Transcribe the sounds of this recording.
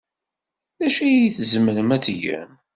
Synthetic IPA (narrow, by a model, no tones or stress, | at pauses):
ðæʃijiθəzməɾəmæt͡sːʝə̰m